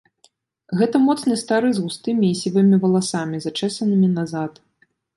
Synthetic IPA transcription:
ɣɛt̪ɐmɔt̪snɨst̪aɾɨzɣust̪ɨmʲiːsʲivɨmʲivɐlˠasamʲizat͡ʂɛsɐnɨmʲinazat̪

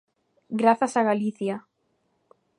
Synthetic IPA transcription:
ɡɾaθasaɣaliθja

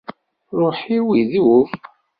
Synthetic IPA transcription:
ɾˤoħiwiðuf

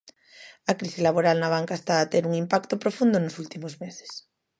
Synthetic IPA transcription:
ɐkɾisilaβ̞oɾalnaβ̞aŋkaest̪aːt̪eɾuŋimpakt̪opɾofund̪onʊsult̪imozmese̥s

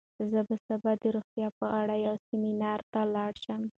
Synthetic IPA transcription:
zəbəsabɑd̪əɾoxt̪jɑpəʔaɽajawsiminɑɾt̪alɑɽʃəm

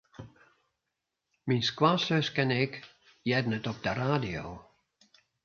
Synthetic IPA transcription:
minskwasøskɛnɪk | jɛdənətɔp̚dəraːdio̰ː

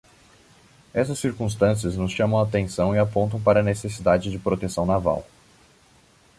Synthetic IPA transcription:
ɛsɐsːiɾkũst̪ɐ̃siɐznʊsʃɐ̃mɐ̃w̃at̪ẽsɐ̃w̃ɪapõnt̪̬ɐ̃w̃paɾɐːnesesid̪ad͡ʒɪd͡ʒɪpɾot̪esɐ̃w̃nava̰w

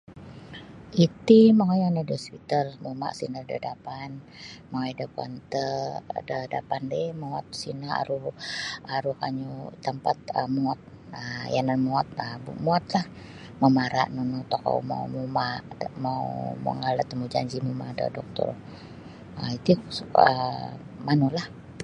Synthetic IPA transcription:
it̪imaŋajanadəspit̪əlmuma̰ʔsinədədapan | maŋajdəkua̰nt̪ədədapandɛmaat̪̚sinəa̰ɾu | aɾukaɲut̪əmpat̪̚əmuat̪̚ | əjananmuat̪̚əbumuat̪lah | mamaɾa̰ʔnunut̪oka̰uma̰umumaʔdəmaumə̰ŋalat̪əmud͡ʒa̰ɲd͡ʒimumadə̰dɔk̚t̪ɔ̰r | əit̪usə̰ | manulah

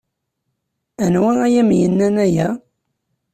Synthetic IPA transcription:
ænwææjæmjənːænæjæ

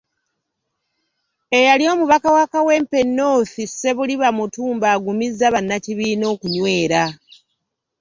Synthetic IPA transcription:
e̞jaljo̞ːmuβakawakawe̞mpe̞nːo̞θise̞βuliβamutuːmbaːɡumizːaβanːaciβiːno̞ːkuɲwe̞ːɾa

